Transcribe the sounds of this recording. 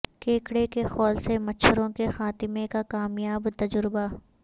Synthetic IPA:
keːkɽekexɔːlsemɐt͡ʃʰəɾõkexaːt̪ɪmẽkakaːmjaːbt̪ɐd͡ʒʊɾba

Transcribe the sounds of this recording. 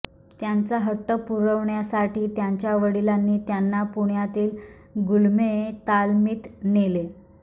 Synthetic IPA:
t̪jant͡saɦəʈːəpuɾəʋɳjasaʈiːt̪jaɲt͡ɕjaʋəɽilanːiːt̪janːapuɳjat̪iːl | ɡulmet̪almiːt̪nele

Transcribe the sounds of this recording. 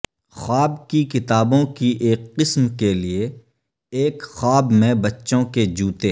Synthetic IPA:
xaːbkikɪt̪aːbõkiʔeːkːɪsmkelie | eːkxaːbmẽbɐtːʃõked͡ʒuːt̪eː

